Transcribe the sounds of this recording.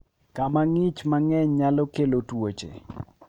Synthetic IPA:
kamaŋɪt͡ʃmaŋɛɲɲalɔkelotwot͡ʃḛ

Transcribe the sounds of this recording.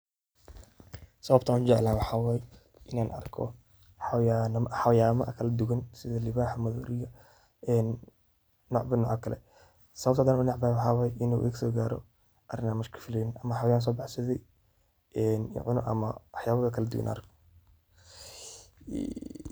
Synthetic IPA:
sɐβɐbt̪ʰaːnkʊd͡ʒɛʕlaːnwɑħawaːj | ʔɪnaːnʔɐ̰rkʰɔ̰ | ħajanħajaːmɐʔɐkʰɐlɐd̪ʊɣɐnsɪðɐlɪβaːħmɐðɔ̰ːlɪjɐ | ɛnː | ɔːʕbɐnɔːʕɐkʰɐlɛ̰ | sɐβɐbt̪ʰaːd̪aːnʊnɑʕbaːwɑħɑːwaːjʔɪnṵʔɡsɔːɡaːɾɔ̰ | bɐrɪnaːmɪʃkʰɐ̥fɪlɛjɪnʔɐmɐħɑwjaːns̬ɔːbɑħsɐðɛj | ɛn̰ʕʊnʊ̰ʔɐ̰mɐwɑħjaːβɐɣɐkʰɐlɐd̪ʊ̰ɣɐ̰nɐ̰rkʰ

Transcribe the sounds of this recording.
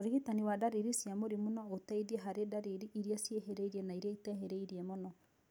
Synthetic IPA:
ɾiɣitaniwadaɾiɾisjamoɾimonɔotɛiðiɛɦaɾedaɾiɾiʔiɾiasjeɦeɾeiɾiɛnaiɾiaitɛɦeɾeiɾiɛmonɔ

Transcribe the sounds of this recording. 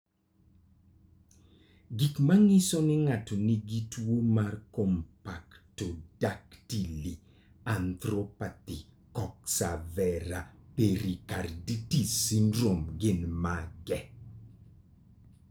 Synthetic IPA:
ɡikmaŋɪsonɪŋatoniɡitwwomarkompaktodaktili | ant̪ɾɔpati | kɔk̚savɛɾapeɾikarditisindɾomɡɪnmaɡɛ

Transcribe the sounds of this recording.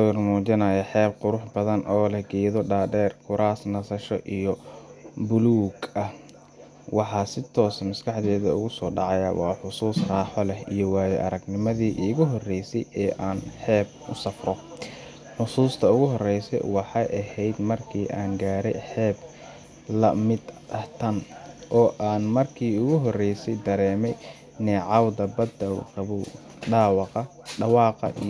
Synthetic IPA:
jrmuːt͡ʃɪnɐjɐħɛːb̚qʊɾʊħbɐðɐnʔɔːlɐɡɛːðɔɖaːdɛːrkʰʊɾaːsnɐsɐʃɔ̰ʔijɔ | bʊluːɡɐh | wɑħɑːsɪt̪ʰɔːsmɐskʰɑħd̪ɛːðɐʊ̰ɣʊsɔːɖɑʕɑjaɐwɑːħʊsuːsrɑːħɔlɛhijɔwɑːjɛʔɐɾɐɡnɪmɐðiːʔiɣʊɦɔrɛjsɛjɛːʔaːnħɛːb | ʊsɐfrɔ | ħʊsuːst̪ʰɐʊɣʊɦɔrɛjsɛ̰jwɑħɑjʔɐhɛjd̪mɐrkʰiːʔaːŋɡaːɾɛjħɛːb | lɐmɪd̪ɐht̪ʰɐnʔɔːʔaːnmɐrkʰiːʊɣʊɦɔrɛjsɛjd̪ɐɾɛːmɛj | nɛːʕɑwd̪ɐbɐd̪ɐwrɑβʊ | ɖɑːwɑqɑɖɑwɑːqɑ̰ʔi

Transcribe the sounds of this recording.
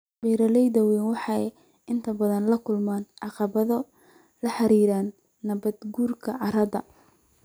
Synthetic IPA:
bɛːɾɐlɛjd̪ɐwɛːnwɑħɑ | ɪnt̪ʰɐbɐðɐnlɐkʰʊlmaːnʕɑqɑβɐðɔ | lɐħɑɾiːɾaːnː | ɐβɐd̪ɡuːrkʰɐʕɑɾɐdɐ

